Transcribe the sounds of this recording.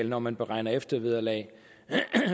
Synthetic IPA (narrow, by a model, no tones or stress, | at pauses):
lnɒmænb̥e̝ʁɑ̈ɪ̰nɐefd̥ɐʋiðˠɐlɛː